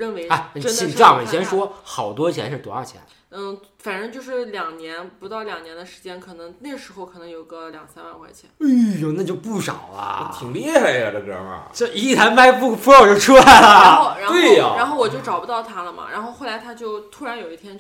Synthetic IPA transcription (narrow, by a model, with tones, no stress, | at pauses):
ɻə˥˩nwe˧˥ɪa˧˩˥ə˥nt͡ɕi˧˥˧ɑ˥˩ŋwə˧˩ɕjɛ˥nʂwɔ˥xɑ˨˩ʊt̪wɔ˥t͡ɕʰjɛ̰˧˥nʂ̩˥˩t̪wṵ˧˥a̰˞˥˩t͡ɕʰjɛ̰˧˥n̩˥˩ | fa˨˩nʈ͡ʂə˥ŋt͡ɕjo˥˧ʊʂɻ̩˥˩ljɑ˨˩ŋnjɛ˧˥npu˧˥t̪ɑ˥˩ʊljɑ˨˩ŋnjɛ˧˥nd̪ə˧ʂɻ̩˧˥t͡ɕjɛ˥nkʰɤ˨˩nɤ˧˥ŋna˥˩ɡʂɻ̩˧˥xo˧ʊkʰɤ˨˩nɤ˧˥ŋjo˨˩ʊɡə˧ljɑ̰˨˩ŋsa˥nwa̰˥˧nxwa˧˥˩ɪt͡ɕʰjɛ̰˧˥ni˥jo˧˩na˥˩t͡ɕjo˥˧ʊpu˥˩ʂɑ̰˨˩ʊlɐ̰˦˧˩t̪ʰi˨˩ŋli˧˥jɛ˥xa˧˩ɪə˧˩də˧˩kə̰˧˩mɐ̰˧˩t͡ɕi˧˥i˥˩a˧˥nma˥ɪpu˥˩fʰu˥ɑ˥˧˩ʊt͡ɕjo˥˧ʊʈ͡ʂʰu˥la˧˥ɪlə˨˥˧ɻa˧˥nwee˥˩˧ɻa˧˥nxo˥˩ʊwɔ˨˩t͡ɕo˥˩ʊʈ͡ʂɑ˨˩ʊpu˧t̪ɑ˥˩ʊt̪ʰa˥lə˨mɐ̰˨˩ɻʔa̰˧˥nxo˥˧ʊxo˥˩la˧˥ɪt̪ʰa˥t͡ɕjo˥˩ʊt̪ʰu˥ɻa˧˥njo˨˩ʊi˥˩t̪ʰjɛ˥n